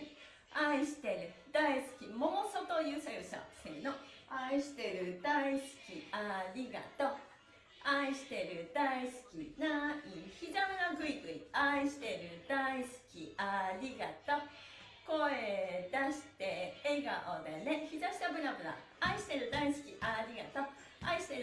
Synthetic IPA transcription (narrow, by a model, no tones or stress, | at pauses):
aiɕi̥t̪e̞ɾɯ̟d̪aisɨ̥kʲimo̞mosot̪o̞jɯːsajɯɕo̰sḛːnoaiɕi̥t̪e̞ɾɯ̟d̪aisɨ̥kʲiaɾʲiɡa̰t̪o̞ | aiɕi̥t̪e̞ɾɯ̟d̪aisɨ̥kʲḭnaiçid̪abɯ̟naɡɯ̟iɡɯ̟ḭaiɕi̥t̪e̞ɾɯ̟d̪aisɨ̥kʲiaɾʲiɡat̪o̞ | ko̞ed̪aɕi̥t̪e̞ːɡa̰ʔod̪eneçid̪aɕi̥t̪abɯ̟nabɯna̰ | aiɕi̥t̪e̞ɾɯ̟d̪aisɨ̥kʲiʔaɾʲiɡa̰t̪o̞ | aiɕi̥t̪e̞ɾ